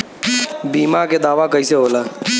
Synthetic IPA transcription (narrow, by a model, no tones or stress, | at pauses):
biːmaked̪aːʋakɐiseɦoːlaː